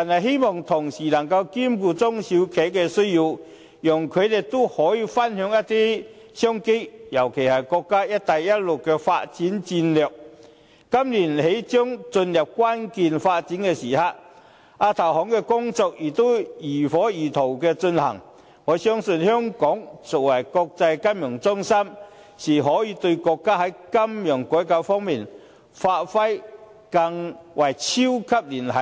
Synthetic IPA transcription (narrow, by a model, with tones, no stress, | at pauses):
t̪aː˨nhɐ˨jɦe˥jmɔː˨˩ŋt̪ʰʊ˨˩ŋsiː˨˩lɐ˨˩ŋkɐ˧wkiː˥mkuː˧t͡sʊ˥ŋsi˨˧˥wkʰe˨˥jkɛː˧sɵ˥ɥjiː˧w | jɔ˨˩ŋkʰɵ˨˧ɥt̪e˨jt̪o˥hɔː˨˥jiː˧fɐ˥nhœː˨˥ŋjɐ˥t̪iː˥ | sœː˥ŋke˥jjɐ˨˩wkʰe˨˩jhɐ˨jkɔː˧kːaː˥jɐ˥t̚t̪ɐ˨jːɐ˥t̚lʊ˨˩kːɛ˧fa̰ː˧t̚t͡siː˨˥nt͡siː˧nlœː˨k̚ː | ɐ˥mliː˨˩nhe˨˥jt͡sœː˥ŋt͡sɵ˧njɐ˨p̚kʷwaː˥nkiː˨nfaː˧t̚t͡siː˨˥nkɛː˧siː˨˩haː˨˧ | ʔaː˧t̪ʰɐ˨˩wɦɔː˨˥ŋkɛ˧kʊ˥ŋt͡sɔː˧k̚jiː˨˩t̪o˥wjiː˨˩fɔː˨˥jiː˨˩t̪ʰo˨˩wkɛː˧t͡sɵ˧nhɐ̰˨˩ŋ | ŋɔː˨˧˥sœː˥ŋsɵ˧nhœː˥ŋkɔː˨˥ŋsɔ˨k̚wɐ˨˩jkɔː˧k̚t͡sɐ˧jka˥nmjœː˨˩ŋt͡sʊ˥ŋsɐ˥m | siː˨˩ɦɔː˨˥jiː˨˧t̪ɵ˧ɥkɔː˧kːaː˥hɐ˨˥jkɐ˥mjœː˨˩ŋkɔː˨˥jkaː˨˧˥wfɔː˥ŋmiː˨˩n | faː˧t̚fɐ˥j | kɐ˧ŋwɐ˨˩jt͡sʰi˥wkʰɐ˥p̚liː˨˩nhɐ˨˦